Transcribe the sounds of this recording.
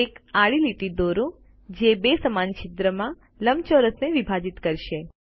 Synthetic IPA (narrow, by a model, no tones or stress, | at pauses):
ekaɭiliʈid̪oɾõ | d͡ʒebesəmanʃʰit̪ɾəmã | ləmt͡ʃoɾəsneʋibʱad͡ʒit̪kəɾʃe